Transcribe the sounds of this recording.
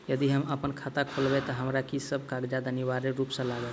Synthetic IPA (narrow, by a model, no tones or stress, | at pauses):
jəd̪iɦəməpənkʰat̪akʰolbet̪əɦəmɾakisəb̚ʱkaɡd͡ʒad̪aniʋaɾeɾupsə̃laɡə